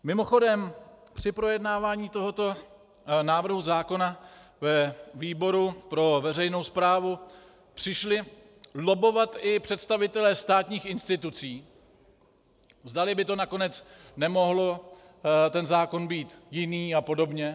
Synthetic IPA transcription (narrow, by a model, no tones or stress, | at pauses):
mɪmo̞xo̞dɛmpr̝̥ɪpɾo̞jɛdnaːvaːɲiːt̪o̞ɦo̞t̪o̞ | naːvr̩ɦuzaːko̞navɛviːbo̞ɾupɾo̞vɛrɛjno̞wspɾaːvu | pr̝̥ɪʃlɪ | lo̞bo̞vat̪ɪpr̝̥ɛt̪st̪avɪt̪ɛlɛst̪aːt̪ɲiːxɪnst̪ɪt̪ut͡siː | zdalɪbɪt̪o̞nako̞nɛt͡s | nɛmo̞ɦlo | t̪ɛnzaːko̞nbiːt̪jɪniːapo̞do̞bɲɛ